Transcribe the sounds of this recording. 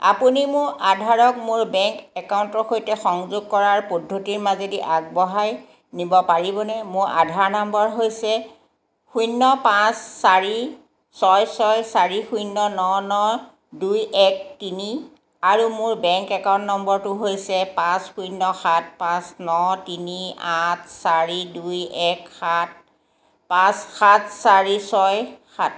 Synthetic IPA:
a̰punimʊɹʔadʱaɹɔkmʊɹbɛŋkɛkawntɔxojtɛxɔŋzʊɡ̚kɔɹaɹpodʱːotiɹmazediʔaɡ̚bɔɦaj | nibɔpaɹibɔnɛmʊɹʔa̰dʱaɹnambɔɹɦojsɛ | xujnːɔpãsːaɹi | sɔjsɔjsaɹixujnːɔnɔnɔ | dujɛk̚tini | aɹumʊɹbɛŋkɛkɔnːɔmbɔɹtʊɦojsɛpãsxujnːɔxat̚pãsnɔtiniat̚saɹidujɛkxat̚ | pãsxat̚ʰsaɹisɔjxat

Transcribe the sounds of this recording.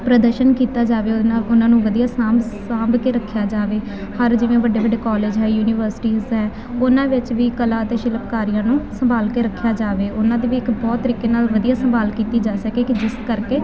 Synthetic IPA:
pɾəd̪əɾʃənkiːt̪aːd͡ʒaːʋeːaːlʊnãːnũːʋəd̪ijaːsãːmbsãːmbkeːɾəkʰːjaːd͡ʒaːʋeː | həɾd͡ʒɪʋẽːʋəɖeːʋəɖeːkɔːleːd͡ʒɦɛːjuːnɪːʋəɾsɪ̥ʈiːzɦɛː | ʊnãːʋɪt͡ʃʋiːkəlaːət̪eːʃɪləpkaːɾijãːnũːsəmbaːlkeːɾəkʰːjaːd͡ʒaːʋeːʔʊnãːd̪eːʋiːɪkbɔːt̪ːəɾiːkeːnaːlʋəd̪ijaːsəmbaːlkiːt̪iːd͡ʒaːsəkeːkɪd͡ʒɪskəɾkeː

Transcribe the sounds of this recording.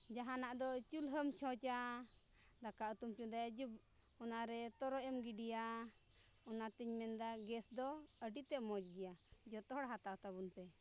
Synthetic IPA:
d͡ʒaɦanaʔd̪ɔt͡ʃulɦəmt͡ʃʰɔ̃t͡ʃa | d̪akaut̪umt͡ʃũd̪ajad͡ʒub | ɔnaɾɛt̪ɔɾɔɛmɡiɖija | ɔnat̪iɲmɛnd̪aɡɛsd̪ɔəɖit̪ɛʔmɔd͡ʒɡɛjad͡ʒɔt̪ɔɦɔɽɦat̪at̪abunpɛ

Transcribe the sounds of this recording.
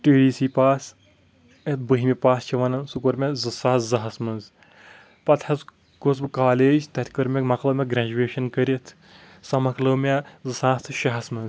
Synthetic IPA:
ʈiːɖiːsiːpaːs | ɐt̪̚bɨɦimʲipaːst͡ʃʰiʋɐnɐnsukɐɾmʲezɨsaːszɐɦɐsmɐnz | pɐt̪ʰɐz | kosbɨkaːleːd͡ʒt̪ɐt̪ʰʲkɐɾmʲekmɐklɐmʲeɡɾʲad͡ʒuʋeːʃɐnkɐɾit̪ʰ | sɐmɐklɐmʲɐzɨsaːst̪ʰɨʃɐɦɐsmɐnz

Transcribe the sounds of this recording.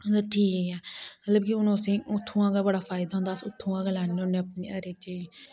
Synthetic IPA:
daʈʰiːkeɛːmət̪ləbkɪʊnõːəsĩːʊt̪ʰːũːãːɡabəɽaːpʰaːɪd̪aːɦʊ̃nd̪aːsʊt̪ʰːũːãːɡəlaːniʊneːəpniːəɾekt͡ʃiː

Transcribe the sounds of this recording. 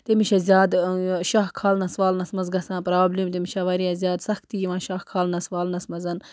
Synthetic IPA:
t̪emiʃɐzʲjaːd̪ʃaxkʰaːlnɐsʋaːlnɐsmɐzɡɐsãːpɾaːblʲiːmt̪emiʃɐʋɐɾijɐzʲjaːd̪sɐxt̪ijiʋãːʃaxkʰaːlnɐsʋaːlnɐsmɐzɐn

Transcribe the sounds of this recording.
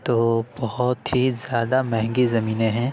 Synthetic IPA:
t̪oːbɐhʊt̪ɦizjaːd̪amɛ̃ɦɛ̃ŋɡizɐmiːneɦɛ̃ː

